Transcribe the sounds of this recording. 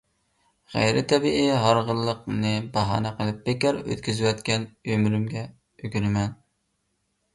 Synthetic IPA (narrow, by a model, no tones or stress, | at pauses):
ʁæ̰jɾɪt̪ʰɛbiʔiɦɑɾʁəlˠːəqnɨbɑɦɑ̰ːnɛqʰəlˠɨp̚bekʲɑɾø̰t̪kʲyzɪwɛt̪kʲɛnømɾymɡʲɛ | øɡʲyɾɪmɛn